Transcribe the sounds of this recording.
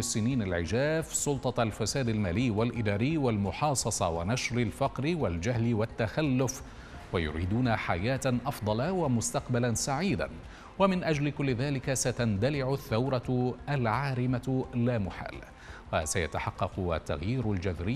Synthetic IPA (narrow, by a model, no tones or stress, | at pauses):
ɪsːɪniːnalʕɪd͡ʒaːfsʊlt̪ˤɑalfasaːd̪almaːlɪjːwalʔɪd̪aːɾɪjːwalmʊħɑːsˤɑsˤɑwanaʃɾɪlfɑqɾɪwald͡ʒahlɪwat̪ːaxalːʊf | wajʊ̰ɾḭːd̪uːnaħajaːt̪ʔɑfd̪ˤɑlɑwamʊst̪ɑqbalansaʕiːd̪a̰ | wamɪnʔad͡ʒlɪkʊlːɪðaːlɪkasat̪and̪alɪʕʊθːawɾˤɑalʕaːɾɪmalaːmʊħa̰ːl | wa̰saja̰t̪aħɑqːɑqʊa̰t̪ːa̰ɣjiːɾʊld͡ʒaðɾɪː